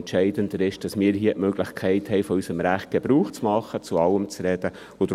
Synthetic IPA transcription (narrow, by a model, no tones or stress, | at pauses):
ntt͡ʃɛɪd̥əndəɾɪʃd̥ɑsmɪːɾɦiːəʔmøɡləχkʰɛɪt̪hɛɪfɔysəmɾæχt̚ɡ̥ɛb̥ɾuːχt͡smɑχːət͡suɑwəmt͡sɾɛd̥ə | ʊd̥̪